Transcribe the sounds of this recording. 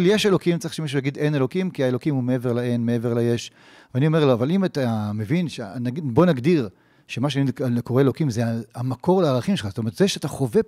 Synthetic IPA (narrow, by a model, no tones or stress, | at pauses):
ljeʃelo̞kimt͡saiʃemiʃ̬ujaɡid̪ejne̞lo̞kimkiaelo̞kimumeeveʁlaenmeeveʁlajeʃ | veanio̞me̞ʁloavalimat̪amevinʃenaɡibo̞naɡd̪iʁ | ʃemaʃ̬eanikoʁeelo̞kimzeaamakʰo̞ʁlaːʁaχimʃelχazotome̞etzeʃeat̪aχo̞ve